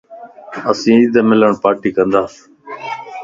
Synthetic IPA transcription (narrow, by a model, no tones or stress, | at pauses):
əsĩːid̪aːmɪləɳpaːɾʈiːkənd̪aː